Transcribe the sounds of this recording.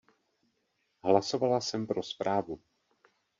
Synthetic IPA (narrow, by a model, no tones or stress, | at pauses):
ɦlaso̞valasɛmpɾo̞spɾaːvu